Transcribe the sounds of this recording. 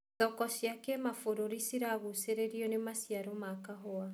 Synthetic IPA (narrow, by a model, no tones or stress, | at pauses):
ðɔkɔsjakɛmafoɾoɾisiɾaɣuseɾeɾiɔnemasiaɾomakaɦoa